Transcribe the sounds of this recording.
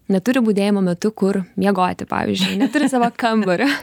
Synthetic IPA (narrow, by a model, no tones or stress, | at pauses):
nʲɛt̪ʊɾʲɪbuːd̪ʲeːjɪmoːmʲɛt̪ʊkʊɾmʲjɛɡoːt̪ʲɪpɑ̰ːʋʲɪ̰zʲd͡ʒʲʊɪnʲɛt̪ʊɾʲɪsɑːʋokɐmbɐɾʲʊ